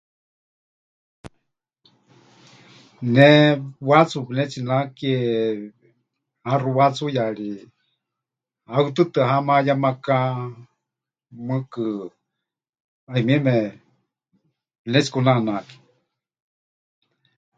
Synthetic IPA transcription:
nɛwat͡supinɛt͡sinakiɛ | haruwat͡sujaɺi | aɨt̪ɨt̪ɨaɦamajamaka | mɨkɨ | aimiɛmɛ | pnɛt͡si̥kunanaki̥

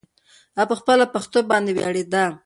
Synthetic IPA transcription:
apəxpəlapaxt̪obɑnd̪ewjɑ̰ɽed̪a

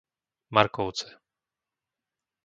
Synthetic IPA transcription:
maɾkowt͡sɛ̥

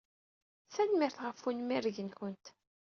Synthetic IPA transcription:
θænmɪɾθʁəfunmiɾʝənçənt̪

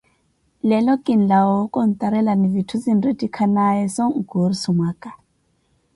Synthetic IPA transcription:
lɛlɔkʼin̩lawɔkʼɔn̩t̪ʼaɾɛlanivitʰuzinretʼikʰanajɛsɔŋɡuɾisumakʼa

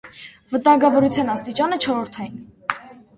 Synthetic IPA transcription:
vət̪ɑŋɡɑvɔɾut͡sʰjɑnɑst̪it͡ʃɑnət͡ʃʰɔɾɔɾt̪ʰɑjin

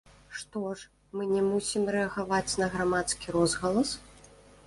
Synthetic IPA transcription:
ʂt̪ɔʂ | mɨnʲɛmusʲimɾɛɐɣavat͡sʲnɐɣɾamat̪skʲiɾɔzɣɐlˠɐs

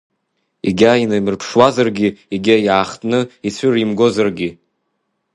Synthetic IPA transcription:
iɡʲainamɨrpʰʂwazarɡʲieɡʲajaːχtʼnɨit͡sʷʰʏrimɡo̞zarɡʲi

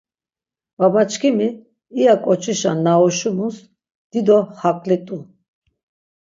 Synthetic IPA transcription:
vabat͡ʃkʰimiː | jakʼɔt͡ʃʰʼiʃa̰nːaɔʃumus | d̪̥id̪ɔhakʼlit̪ʼu

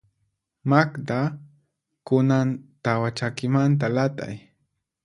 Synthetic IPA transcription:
makd̪a | kʊnant̪awat͡ʃakɪmant̪̬alat̪a̰j

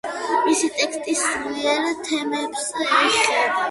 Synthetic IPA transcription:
misit̪ʼɛkst̪ʼismiɛɾt̪ʰɛmɛbsiχɛda

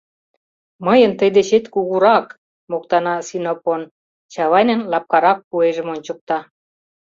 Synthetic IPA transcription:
məjənt̪əjd̪eɕet̪kuɣuɾɑk | mokt̪ɑnɑsinopon | t͡ɕɑβɑjnə̆nlɑp̚kɑɾɑk̚pueʒə̆monʲt͡ɕə̆k̚t̪ɑ

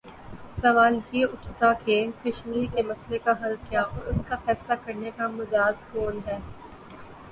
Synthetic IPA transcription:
sɐʋaːlkeʊt͡ʃt̪akeːkɐʃmiːɾkemɐslekaɦɐlkjaːʔɔːɾʊskafɛːslakɐɾnekamʊd͡ʒaːzkoːnɦɛː

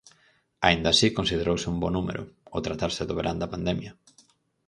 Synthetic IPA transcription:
aind̪asikonsið̞eɾowsɪumbɔnumḛɾʔʊ̰ot̪ɾat̪aɾsɪðoβeɾand̪ɐpand̪ɛmjɐ

